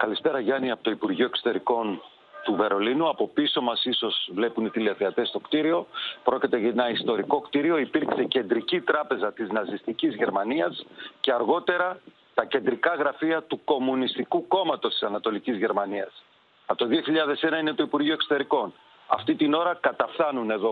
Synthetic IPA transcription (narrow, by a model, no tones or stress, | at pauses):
kɐlispe̞ɾɐʝɐniɐpot̪o̞ipuɾʝioe̞kso̞̥t̪e̞ɾiko̞n | t̪uve̞ɾo̞linuɐpo̞piso̞mɐsiso̞z̥vle̞punit̪iliɐθeɐt̪e̞st̪o̞kt̪iɾio̞pɾo̞cit̪eʝɐenɐist̪o̞ɾiko̞kt̪iɾio̞ipiɾkse̞ce̞nd̪ɾicit̪ɾɐpe̞zɐt̪iznɐzist̪icizʝe̞ɾmɐniɐsce̞ɐɾɣo̞t̪e̞ɾɐ | t̪ɐce̞nd̪ɾikɐɣɾɐfiɐt̪uko̞munist̪ikuko̞mɐt̪o̞st̪i̥sɐnɐt̪o̞licizʝe̞ɾmɐniɐs | ɐt̪oðio̞çiʎɐðe̞se̞nɐine̞t̪o̞ipuɾʝioe̞kso̥t̪e̞ɾiko̞n | ɐft̪it̪ino̞ɾɐkɐt̪ɐfθɐnune̞ðo̞